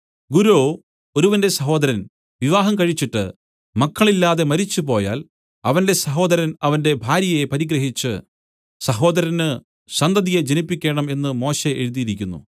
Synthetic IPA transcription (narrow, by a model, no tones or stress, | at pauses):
ɡuɾoː | o̞ɾuʋɐnde̞sɐɦo̞ːd̪ɐɾɐn | ʋiʋaːɦɐmkɐɻit͡ɕːiʈːɨ̰ | mɐkːɐɭilːaːðe̞mɐɾit͡ɕːupo̞ːja̰ːl | ɐʋɐnde̞sɐɦo̞ːd̪ɐɾɐnɐʋɐnde̞bʱaːɾjɐje̞pɐɾiɡɾɐɦit͡ɕːɨ | sɐɦo̞ːd̪ɐɾɐnɨ | ɕɐnd̪ɐðijed͡ʑenipːikʲːe̞ːɳɐme̞nːɨmo̞ːɕe̞ʔeɻuðijiɾikʲːunːṵ